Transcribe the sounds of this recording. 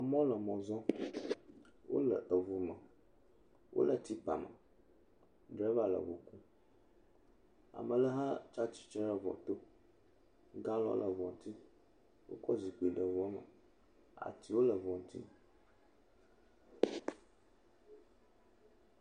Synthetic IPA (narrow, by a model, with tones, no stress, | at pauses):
ə˨mɔ̃˦lə˨mɔ̃˨zɔ̃˦ | wo̰˦lə˨ʔə˨vu˨mə˨ | wʔo̰˦lə˨t̪i˦pa̰˨mə̰˨ | ɖɾə˦va˦lə̰˨wo˨ku˦ | a̰˨mə˨lə˦ɦa˦t͡ʃa˦t͡ʃi̥˦t͡ʃɾə˦vɔ̰˨t̪o˦ | ɡã˦lɔ̰˦lʔə˨vɔ˨n˦t̪i˦ | wo̰˦kɔ˦zi˨k͡pi˨ɖə˨vɔ˦mə̰˨ | a̰˨t̪i˦wo˦lə˨vɔ˨n˦t̪ḭ˦